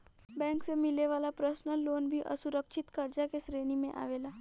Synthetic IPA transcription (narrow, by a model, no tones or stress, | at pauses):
bɛ̃ːŋksemɪleʋaːlapɾəsnəlːoːnbʱiʔɐ̰sʊɾəkʃɪt̪kɐɾd͡ʒakesɾeːnimẽʔa̰ːʋeːlaː